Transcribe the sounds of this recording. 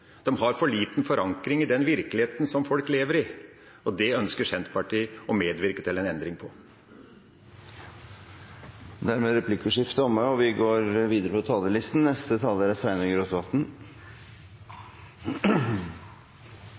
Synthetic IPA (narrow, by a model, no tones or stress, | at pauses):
d̪̥ɛmɦɑɾfɔɭiːt̪nfɔɾʔɑŋkɾɪŋɪd̪ɛnʋɪɾkəlɪeːt̪n̩sɔmfɔlkleːʋəɾɪ | ɔd̪ɛœnskəʂɛnt̪pɑʈʰiːɔmeːd̪ʋɪɾkət̪ʰɪlɛnɛnd̪ɾɪŋpʰɔ | d̪æɾmeːɾɛpʰlɪkːʉʂɪft̪əɔmːəɔʋɪɡoːɾʋiːd̪əɾəpʰɔt̪ʰɑːləlɪst̪n̩nɛst̪ət̪ʰɑːlːəɾæsʋæɪnəɡɾot̪ʋɑt̪n̩